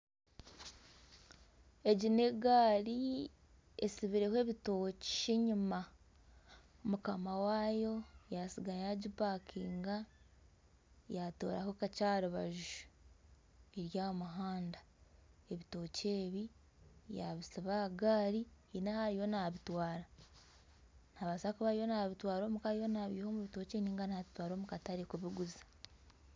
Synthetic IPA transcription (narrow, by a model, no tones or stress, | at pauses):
e̞ɟine̞ɡaːɾi | ḛsiβiɾe̞hwe̞ːβito̞ceɲuma | mukamawaːjo̞jasiɡajaɟipakʰiːŋɡa | jato̞̰ːɾa̰hokat͡ʃaːɾuβaʒuʒu | eɾjamuɦaːnda | eβito̞ːce̞ːβi | ja̰βisiβaɡaːɾi | inahaɾijo̞naβitwaːɾa | naβasakuβaɾijo̞naβitwaːɾo̞ːmukaɾijo̞naβiːho̞muβito̞ːt͡ʃeniːŋɡanaβitwaːɾo̞ːmukataɾikuβiɡuzḁ